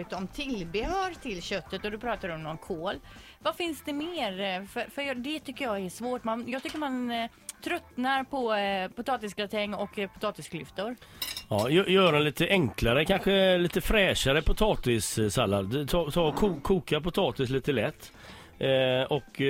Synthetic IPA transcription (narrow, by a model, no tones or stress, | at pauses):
ɪt̪ɔmt̪ʰɪlbɪhœːɾʈʰɪlɕœt̪ːət̪ɔd̪ɵpʰɾɑːt̪adɛɔmnɔnkʰoːl | vafɪnsd̪ɛmeːɾfœfœɾjɑd̪ɛt̪ʰʏkːəɾjɑːæʂvoːʈmanjɑːɡt̪ʏkːəɾman | t̪ʰɾœt̪naɾpʰɔpʊt̪ʰɑːt̪ɪsɡɾat̪ʰɛŋːɔkːpʰʊ̥t̪ʰɑːt̪ɪskʰlʏft̪ʊɾɑːjœːjœːɾɛnliːt̪əʔɛŋklaɾəkʰanɧəliːt̪əfɾɛːʂaɾəpʰʊt̪ʰɑːt̪ɪssalːa̰d̪t̪ʰɑːt̪ʰɑːɔkʰukʰːuːkapʊt̪ʰɑːt̪ɪsliːt̪əlɛt̪ː | ɔk